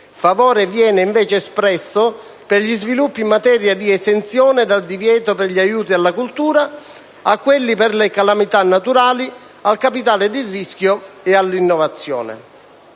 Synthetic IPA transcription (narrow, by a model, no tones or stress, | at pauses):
favɔːɾevjɛːnɪiɱvɛːt͡ʃɪːspɾɛsːʊ | pɪrʎizvilupːimːat̪ɛːɾjad̪iɛsɛnt̪sjɔːnɪd̪ald̪ivjɛːt̪opɪrʎiajuːt̪ialːakult̪uːɾa | akːwelːipɪrlɪkalamit̪anːat̪uɾaːli | alkapit̪aːlɪd̪ɪrːiskjoɛalːinːɔvat̪sːjɔ̰ːnɪ̰